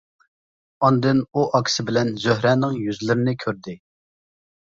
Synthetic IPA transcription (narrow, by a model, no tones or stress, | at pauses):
ɑnd̪ɨnuʔɑkʲʰsɪbɪlɛnzøɦɾɛːnɪŋjyzlɪɾɪnɪkʲʰøɾd̪ɪ